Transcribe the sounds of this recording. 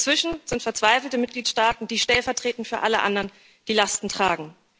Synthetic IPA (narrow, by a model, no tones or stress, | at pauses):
t͡sv̥ɪʃn̩z̥ɪntfɛɐt͡sv̥aɪfl̩təmɪt̚ɡ̥liːtʃtaːtn̩d̥iːʃtɛlfɛɐtʁ̥eːtn̩fyːɐʔaləʔa̰ndɐʁn | d̥iːlastn̩tʁ̥aːɡŋ̩